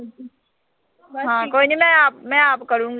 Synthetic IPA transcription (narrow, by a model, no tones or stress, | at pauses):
ɦãːkoːinimɛ̃aːp̚mɛ̃aːpkɐɾũːŋɡ